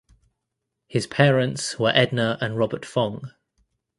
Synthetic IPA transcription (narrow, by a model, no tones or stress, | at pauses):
hɪz̥pʰɛːɹə̃ntswəɹʔɛdⁿnəɹʔə̃nɹɒbətfɒ̃ŋ